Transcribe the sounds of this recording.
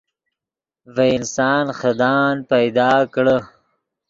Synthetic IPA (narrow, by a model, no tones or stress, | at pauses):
veɪnsɑːnxɐd̪ɑːnpajd̪ɑːkɽə